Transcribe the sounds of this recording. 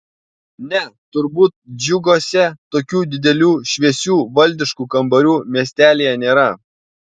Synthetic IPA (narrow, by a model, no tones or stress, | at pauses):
nʲɛt̪ʊɾbuːt̪̚d͡ʒʲʊɡoːsʲɛt̪oːkʲuːd̪ʲɪd̪ʲɛlʲuːʃʲʋʲiɛsʲuːʋɐlʲd̪ʲɪʃkuːkɐmbɐɾʲuːmʲiɛsʲt̪ʲæːlʲejɛnʲeːɾɐ